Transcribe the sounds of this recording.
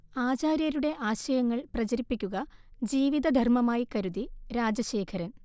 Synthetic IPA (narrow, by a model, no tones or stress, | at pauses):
aːt͡ɕaːɾjɐɾuɽe̞ʔaːɕɐjɐŋːɐɭprɐt͡ɕɐɾipːikʲːuɣɐd͡ʑiːʋid̪ɐd̪ʱɐrmɐmaːjikɐɾuðiɾaːd͡ʑɐɕe̞ːkʰɐɾɐn